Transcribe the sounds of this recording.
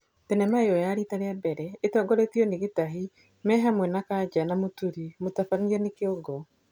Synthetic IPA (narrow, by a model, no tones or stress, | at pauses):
tɛnɛmaeɔjaɾitaɾeabɛɾɛetɔːɡɔɾetiɔneɣetaɦi | mɛɦamwɛnakad͡ʒanamotuɾimotafaniɛnekeɔɡɔ